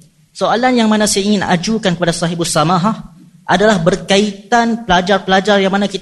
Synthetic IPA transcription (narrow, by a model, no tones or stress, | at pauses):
soalanjaŋmanãsajaiŋɪna̰d͡ʒukankəpadasaɦibʊsamaɦah | ʔadalahbərkait̪anpəlad͡ʒarpəlad͡ʒarjaŋmanakit̪